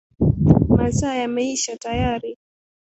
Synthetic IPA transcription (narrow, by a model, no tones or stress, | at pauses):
masajamɛiʃatajaɾi